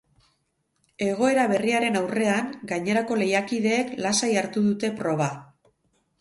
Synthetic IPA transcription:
e̞ɣ̞o̞e̞ɾaβ̞e̞riaɾe̞nawre̞aŋɡajɲe̞ɾako̞le̞jakið̞e̞ːklasajaɾt̪uðut̪e̞pɾo̞β̞a

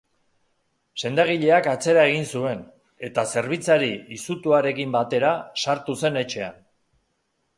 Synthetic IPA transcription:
se̞nd̪aɣ̞iʎe̞akat͡se̞ɾae̞ɣ̞insue̞n | e̞t̪ase̞ɾβ̞it͡saɾiisut̪uaɾe̞kimbat̪e̞ɾasaɾt̪use̞ne̞t͡ʃe̞an

